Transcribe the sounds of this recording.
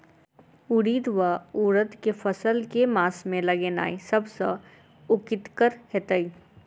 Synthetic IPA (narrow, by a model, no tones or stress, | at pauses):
ʊɽiːd̪ʋauːɾət̪kefɐsəlkemaːsmẽlɐɡeːna̰ːisɐbsə | ʊkɪt̪kəɾhet̪əi